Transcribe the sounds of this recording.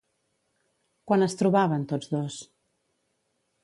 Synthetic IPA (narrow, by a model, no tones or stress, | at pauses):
kwanəst̪ɾuβaβənt̪od͡zðos